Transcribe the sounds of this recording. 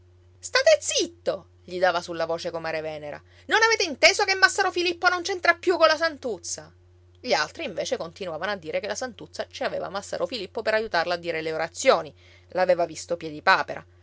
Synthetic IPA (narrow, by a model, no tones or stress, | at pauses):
st̪aːt̪et̪sit̪ːo | ʎid̪aːvasulːavoːt͡ʃekomaɾevɛːneɾa̰ | nonaveːt̪eint̪eːzokemːasːaɾofilipːonont͡ʃent̪ɾapːjukonlːasant̪ut̪sa | ʎialt̪ɾiːɱveːt͡ʃekont̪inuaːvanoad̪ːiːɾekelasant̪ut̪sːat͡ʃiaveːva̰masːa̰ɾʔofilipːopeɾajut̪arlaːd̪ːiːɾeleoɾat̪sːjoːni | laːveːvavist̪opjɛd̪ipaːpeɾʔa̰